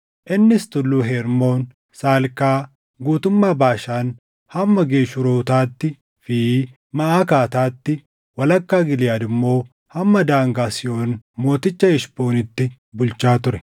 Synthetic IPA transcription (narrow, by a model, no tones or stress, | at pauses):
ʔɪnːɪst̪ʊlːuːɦɛɾmo̞ːn | saːlkaː | ɡuːt̪ʊmːaːbaːʃaːn | hɐmːɐɡe̞ːʃʊɾoːt̪aːt̪ːɪ | fi | mɐʔaːkaːt̪aːt̪ːɪ | wɐlɐkːaːɡɪlɪjaːd̪ɪmːo̞ː | hɐmːɐd̪aːŋɡaːsɪo̞ːnmo̞ːt̪ɪt͡ʃːɐɛʃpo̞ːnɪt̪ːɪ | bʊlt͡ʃaːt̪ʊɾɛ